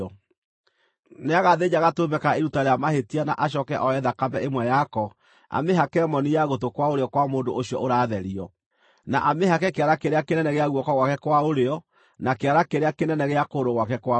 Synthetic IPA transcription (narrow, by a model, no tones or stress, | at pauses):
ɔ | neaɣaðed͡ʑaɣatobɛkaeɾutaɾeamahetiana̰ʔaɕ̬ɔkɛʔɔɛðakabɛemwɛjakɔ | a̰meɦakɛmɔnijaɣotokwaoɾeɔkwamoːndoʔoɕiɔ̰ʔoɾaːðɛɾiɔ | na̰ʔameɦakɛkeaɾakeɾeakenɛnɛɣeaɣwɔkɔɣwakɛkwaoɾeɔ | nakeaɾakeɾeakenɛnɛɣeakoɾoɣwakɛkwa